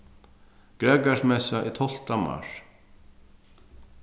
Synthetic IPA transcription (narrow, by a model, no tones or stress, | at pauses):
ɡ̥ɾɛːkaʂmɛsaʔit̪ʰɔl̥t̪ama̰ʂ